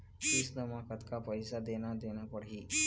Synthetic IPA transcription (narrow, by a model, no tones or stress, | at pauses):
ɪsd̪əmakət̪kapəɪsad̪enad̪enapəɽɦiː